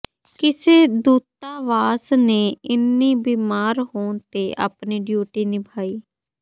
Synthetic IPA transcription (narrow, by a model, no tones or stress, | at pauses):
kɪseːd̪uːt̪aːʋaːsneːɪnːĩːbiːmaːɾɦoːɳt̪eːʔa̰ːpniːɖjuːʈiːnɪbʰʱaːiː